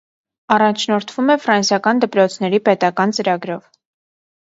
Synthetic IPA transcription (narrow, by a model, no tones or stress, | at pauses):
ɑrɑnt͡ʃʰnɔɾt̪ʰvumɛfɾɑnsjɑkɑnd̪əpɾɔt͡sʰn̪ɛɾipɛt̪ɑkɑnt͡səɾɑɡɾɔv